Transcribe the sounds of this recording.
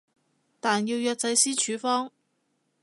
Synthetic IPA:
t̪aː˨˩njiː˧wjœː˧k̚t͡sɐ˨˥jsiː˥t͡ʃʰyː˨˥fɔː˥ŋ

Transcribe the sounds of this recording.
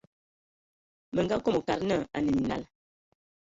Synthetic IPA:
mə˨ŋɡa˦ko˦mo˨ka˨ɾnə˦˨a̰˨nə˨mi˨na̰˦˨l

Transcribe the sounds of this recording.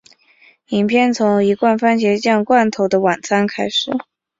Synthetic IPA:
i˨˩ŋpʰjɛ˥˩nt͡sʰʊ˧˥ŋi˧˥kwa˥˩˧nfa˥nt͡ɕjɛ˧˥t͡ɕjɑ˥˧ŋkwa˥˩nt̪ʰo˧˥ʊd̪ə˧wa˨˩nt͡sʰa˥nkʰa˥ɪʂɻ̩˨˩˦

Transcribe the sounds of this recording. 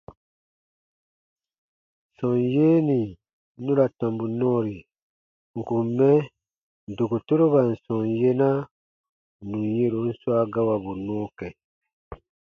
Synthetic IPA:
sɔ̃˨njeː˦ni˨˦ | nũ˦ɾa˨tɔ̃˨mbu˨nɔ̃ː˦ɾi˨ | ŋ̩˨ku˨mːɛ˦ | n˨do˨ku˨to˦ɾo˦ba˨n̩˨sɔ̃˨nje˦na˦ | nũ˨je˦ɾo˨˦n̩˦swa˦ɡa˦wa˨bu˨nɔ̃ː˦kɛ˨

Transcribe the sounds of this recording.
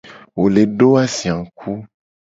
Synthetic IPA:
wo˨le˨ɖo˦a˦sĩ˨ã˨kʰu˦

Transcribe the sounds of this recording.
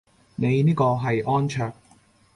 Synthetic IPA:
ne˨˧jniː˥kɔː˧ɦɐ˨jʔɔː˥nt͡ʃʰœː˧k̚

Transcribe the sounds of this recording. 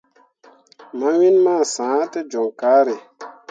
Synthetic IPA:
ma˦wi˦nmaː˦˨sãː˨˦te˦d͡ʒɔ˨ŋkaː˨˦ɾe˨

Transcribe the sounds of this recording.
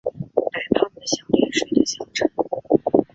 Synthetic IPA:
t̪a˨˩ɪpʰɑ˥˩d̪ə˨˩ɕjɑ˨˩ʊljɛ˧˥nʂwe˨˩ɪd̪ə˨ɕjɑ˨˥˩ʊʈ͡ʂʰə˧˥˦n

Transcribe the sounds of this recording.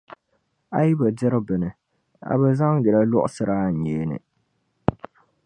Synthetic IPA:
a˦ji˦ba˨dɛ˦ɾɨ˦bɨ˨nɨ˨ | a̰˨bɛ˨za˦ŋɡɛ˨la˦lɔ˦ʔʊ̰˦sɨ˦ɾʔa˦˨ɲeː˦nɨ̰˨

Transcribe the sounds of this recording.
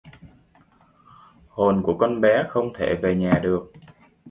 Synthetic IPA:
ho˨˩nku˧˩əkɔ˧nɓɛ˨˦xə˧wŋ͡mt̪ʰḛ˧˩˨ve˨˩ɲaː˨˩ɗɨ˨˩ək̚

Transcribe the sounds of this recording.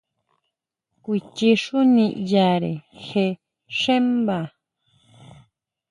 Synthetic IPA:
kʷi˧t͡ʃi˧ʂu˦nĩ˧˨ʔja˨ɾḛ˨xe˧ | ʂe˦mba˨

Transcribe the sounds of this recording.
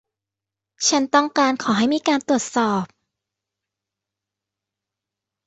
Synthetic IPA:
t͡ɕʰa˦˥nt̪ɔ˥˩ŋkaː˧nkʰɔː˩˦ɦa˥˩jmiː˧kaː˧nt̪u˨˩ət̪̚sɔː˨˩p̚

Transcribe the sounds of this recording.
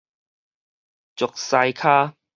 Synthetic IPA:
t͡sʊ˨˩k̚sa˧jkʰaː˥

